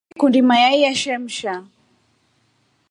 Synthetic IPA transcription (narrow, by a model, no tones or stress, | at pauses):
kundimajajaʃɛm̩ʃa